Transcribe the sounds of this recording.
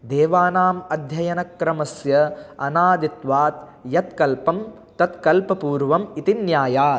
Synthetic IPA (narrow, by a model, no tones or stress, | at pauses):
d̪eːʋaːnaːmɐd̪ʱjɐjɐnɐkɾɐmɐsjɐɐnaːd̪it̪ʋaːt̪ | jɐt̪kɐlpɐm | t̪ɐt̪kɐlpɐpuːɾʋɐmit̪injaːjaː